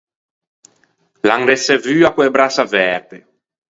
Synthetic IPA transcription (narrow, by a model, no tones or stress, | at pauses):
laŋɾɛsɛvyːakwebɾasavɛɾt̪e